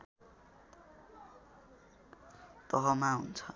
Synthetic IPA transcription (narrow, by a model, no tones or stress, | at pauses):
t̪ʌɦʌmaɦunt͡sʰʌ